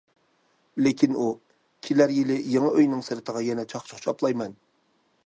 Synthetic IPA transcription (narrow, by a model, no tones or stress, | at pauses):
lekʲʰinu | kʲʰilæɾjilɪjeŋɨʔøjnɪŋsɪɾɪt̪ʰəʁɑjɛnɛt͡ʃʰɑχt͡ʃʰʊ̥χt͡ʃʰɑplˠɑjmɛn